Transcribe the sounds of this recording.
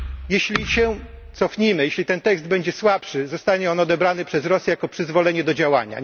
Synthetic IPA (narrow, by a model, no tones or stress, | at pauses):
jɛɕlʲiɕɛ | t̪sɔfɲimɘjeɕlʲit̪ɛnt̪ɛkzd̪̚bɛɲd͡ʑɛswapʂɘzɔst̪aɲɛɔnɔd̪ɛbɾanɘpʂɛzɾɔsʲjɛjakɔpʂɘzvɔlɛɲɛd̪ɔd͡ʑawa̰ɲa̰